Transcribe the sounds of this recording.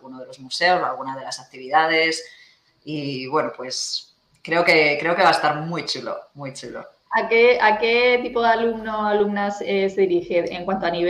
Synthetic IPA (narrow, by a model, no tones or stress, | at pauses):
ɣunoðe̞lo̞zmuse̞o̞salɣ̞unað̞e̞lasak̚t̪iβiðað̞e̞s | iβwe̞nopwe̞s | kɾe̞oke̞kɾe̞oke̞βaest̪aɾmwujt͡ʃulo̞̰mwujt͡ʃulo̞̰ | akeaket̪ipoðalumnoalumnaseseðiɾixeeŋkwant̪oaniβ